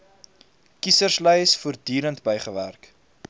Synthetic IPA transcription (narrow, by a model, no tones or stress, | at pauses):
kisərsləjsfuːrdiːɾəntbəjχəværk